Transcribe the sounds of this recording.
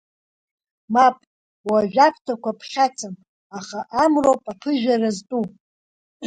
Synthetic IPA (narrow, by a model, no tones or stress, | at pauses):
mapʼ | waʒᶣapʰtʰakʷʰapʰχʲat͡sʰam | aχaʔamrowpʼapʰɨʒᶣaraztʼu